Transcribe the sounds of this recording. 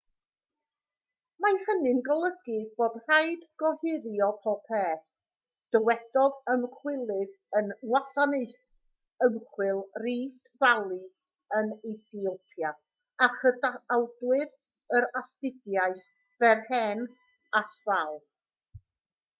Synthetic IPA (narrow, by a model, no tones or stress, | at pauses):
majhənɪnɡɔlˠəɡɨb̥oːdr̥ajdɡ̥ɔhɪɾjɔpʰɔpʰeːθ | d̥əwɛdɔðəmχʰwɪlˠɪð | ənwasaneɨθ | əmχwɪlˠriːθd̥valˠi | əneθiɔpʰja | aχədaawdwɪð | əɾastɪdjaɨθ | v̥ɛrhɛn | asvalˠ